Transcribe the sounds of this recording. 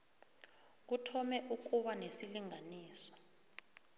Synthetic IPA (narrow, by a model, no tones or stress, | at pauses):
k̬utʰɔmɛʔuk̬uɓanesiliŋaniːsɔ̥